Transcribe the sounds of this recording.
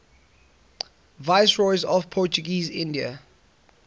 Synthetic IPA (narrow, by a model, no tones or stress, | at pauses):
vaɪsɹɔjzɔvpʰɔt͡ʃuɡiːzɪ̃ndiə̰